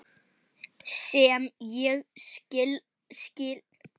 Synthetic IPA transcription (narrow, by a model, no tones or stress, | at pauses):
sɛmjɛɣscɪl | scɪl